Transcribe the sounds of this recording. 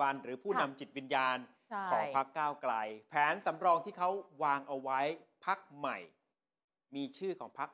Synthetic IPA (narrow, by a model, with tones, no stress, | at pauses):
a˧nɾɯː˩˦pʰuː˥˩na˧mt͡ɕi˨˩t̪̚wi˧njaː˧n | kʰɔː˩˦ŋpʰa˦˥kːaː˥˩wkla˧jpʰɛː˩˦nsa˩˦mɾɔː˧ŋt̪ʰiː˥˩kʰa˦˥wwaː˧ŋʔa˧wa˦˥jpʰa˦˥k̚ma˨˩j | miː˧t͡ɕʰɯː˥˩kʰɔ̰ː˩˦ŋpʰa˦˥k̚